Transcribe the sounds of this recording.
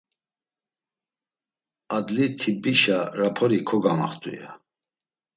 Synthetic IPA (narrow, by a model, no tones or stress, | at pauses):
ad̪lit̪ʰibiʃaɾapʰɔɾikʰɔɡama̰χt̪ʼṵja̰